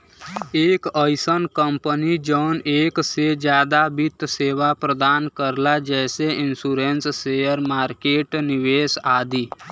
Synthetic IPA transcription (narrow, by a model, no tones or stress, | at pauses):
eːkəjsənkəmpənid͡ʒɔːneːksed͡ʒjaːd̪abit̪seːʋapɾəd̪aːnkəɾlad͡ʒɛːseɪnsuːɾenssejəɾmaːɾkeːʈnɪʋeːsaːd̪iː